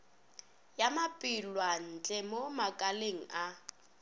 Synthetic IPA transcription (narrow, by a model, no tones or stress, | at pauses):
jamapʼɪlwan̩t͡ɬʼɛmomakʼaleŋ̩ʔa